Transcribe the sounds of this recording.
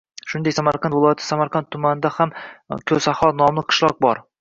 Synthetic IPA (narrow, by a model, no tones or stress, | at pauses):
ʃʊnd̪ekʲsamaɾqʰɑnvɪlˠɒjat̪ʰɪ̥samaɾqʰant̪ʰːʊmanɪd̪ahamkʲʰɵzahɒnɒmlˠɪqʰɨ̥ʃlˠɒq̚bɒɾ